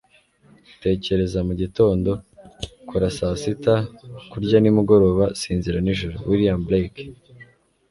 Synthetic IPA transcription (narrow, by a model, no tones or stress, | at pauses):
te̞ːce̞ɾe̞zamuɟito̞ːndo̞kuɾasasitakuɾɟanimuɡo̞ɾo̞ːβasiːnziɾaniʒuɾowʔiɾijamblejk